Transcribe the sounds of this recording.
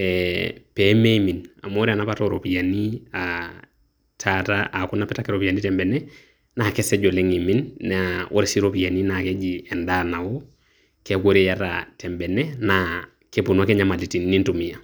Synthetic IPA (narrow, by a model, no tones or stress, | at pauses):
ɛpemeimina̰moɾanapatoɾopijania | tʰataʔakunapɛtakeɾopijanitɛmbɛnɛ | nakeseɟoleŋiminːaʔo̰ɾesiɾopijaninaked͡ʒiɛndanawo | keɡoɾejata̰tɛmbɛnɛna | kepunwakeɲamalitinːintumija